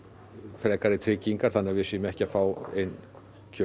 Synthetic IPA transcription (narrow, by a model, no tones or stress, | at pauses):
fɾɛːkaɾɪt̪ʰɾɪːciŋkaɾ̥θanːɪavɪsiːmɛhcafaːwejn | cʰœ